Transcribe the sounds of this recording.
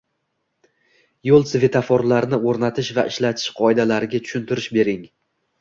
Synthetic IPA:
jolˠsɪve̞t̪ʰafɒɾlaɾnɪoɾnat̪ʰɪʃvaʔɪʃlat̪ʰɪ̥ʃqʰɒed̪alaɾɪɡʲat̪ʰʊ̥ʃʊnt̪ʰɪɾɪʃbe̞ɾɪŋ

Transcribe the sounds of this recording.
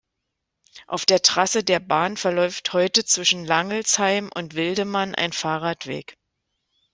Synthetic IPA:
ʔa̰ʊfd̥eːɐtʁ̥asədeːɐbaːnfɛɐlɔʏfthɔʏtət͡sv̥ɪʃn̩laŋəl̩shaɪmʔʊ̰ntv̥ɪldəmanʔa̰ɪnfaːʁaːtv̥ḛːk

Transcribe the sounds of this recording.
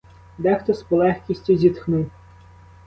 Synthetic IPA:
d̪ɛxt̪ɔspɔlˠɛxkʲisʲtʲizʲit̪xnuw

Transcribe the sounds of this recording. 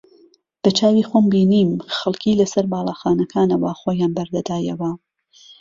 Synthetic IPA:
b̥ɐt͡ʃaːwiːxombiːniːmxɐlˠkʰiːlɐsɐɾbaːlˠɑːxaːnɐkʰaːnɐwaxoːjaːnbɐɾd̪ɐd̪aːjɐwɐ

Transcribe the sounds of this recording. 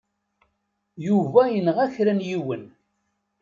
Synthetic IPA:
juvæjənʁæçɾænjiwən

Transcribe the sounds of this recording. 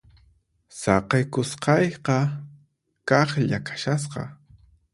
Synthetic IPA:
sɑqɑjkʊsqɑjqɑ | kɑχʎakʰḁʃas̬qɑ̰

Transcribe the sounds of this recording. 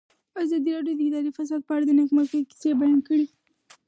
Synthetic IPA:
azɑd̪iɾɑɖjod̪əɪd̪ɑɾifas̬ɑd̪̚pəaɽad̪ənaxmakəki̥sebajɑnkəɽi

